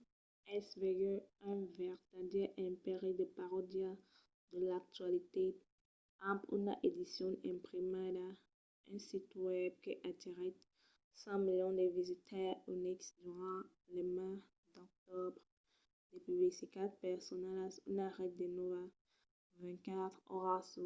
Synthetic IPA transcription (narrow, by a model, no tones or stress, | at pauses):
ɛsveɡøɛ̃vɛʁt̪ad̪jɛʔɛ̃peʁid̪əpaʁɔd̪ja | d̪əlak̚t̪ɥalit̪e | ãpṵna̰ʔed̪isjɔ̃ɛ̃pʁimada | ɛ̃sit̪wɛb̚keʔat̪iʁɛ | sɑ̃miljɔ̃d̪evizit̪ʰɛʁyniksd̪yʁɑ̃ | lema | d̪ɔk̚t̪ɔbʁ | d̪̥epyblisikad̪̚pɛʁsɔnɛlasunaʁɛt̪̚d̪enɔva | vɛ̃kat̪χɔ̰ʁaso